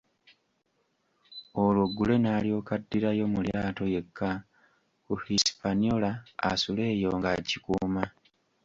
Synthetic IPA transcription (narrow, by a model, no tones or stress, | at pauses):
olwoɡːule̞naːlio̞kadːiɾajo̞muljaːto̞je̞kʰːa | kuhisi̥paniola̰ːsule̞ːjo̞ŋɡacikuːma